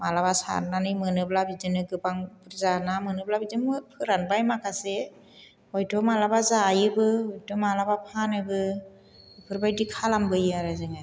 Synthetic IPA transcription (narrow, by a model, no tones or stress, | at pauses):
malabasa̰nanɯjmɯnɯb̚labizɯnɯɡɯbaŋpɯɾzanamɯnɯb̚labizɯnmɯpʰɯɾanbajmakʰase | ɔjtʰɔmalabazajɯbɯɔjtʰɔmalabapʰanɯbɯ | ɯpʰɯɾbajdikʰalambɯjɯaɾazɯŋa